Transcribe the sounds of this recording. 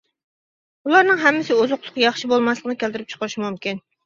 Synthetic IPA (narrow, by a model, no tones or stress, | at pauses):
ulˠɑɾnɨŋɦɛmːɪsɪozʊqlˠʊqjɑχʃibolˠmɑslˠəqnɨkʲælt̪ɪɾɪp̚t͡ʃʰə̥qʰəɾɨʃmumkʲin